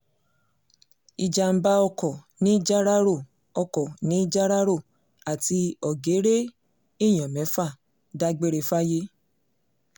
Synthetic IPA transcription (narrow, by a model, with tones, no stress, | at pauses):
i˧d͡ʒa˧m̩˦ba˧ɔ˧kɔ˨ | nĩ˨˦d͡ʒa˦ɾa˦ɾo˦˨ | ɔ˧kɔ˨nĩ˨˦i˦d͡ʒa˦ɾa˦ɾo˦˨ | a˨ti˧ɔ˨ɡe˨˦ɾe˦ | i˦˨j̃ɔ̃˨mɛ̃˨˦fa˦˨ | da˧ɡ͡be˦ɾe˧fa˦je˦